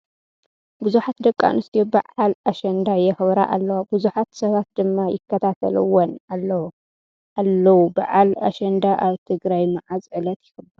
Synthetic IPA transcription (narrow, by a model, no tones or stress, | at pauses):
bɨzuħat̪̚d̪ɐkʼːa̰nɨst̪ʰiobaʕalaʃɐnd̪ajɛxɨβɾaʔalːɐwabuzuħat̪sɐβat̪̚d̪ɨmːajɪkʰːɐt̪ʰat̪ʰɐ̰lɨwonalː | ʔalːɐwuba̰ʕala̰ʃɐnd̪aʔaβt̪ʰɨɡɾajmaʕazʕɨlɐt̪jɪxɨbːɐɾ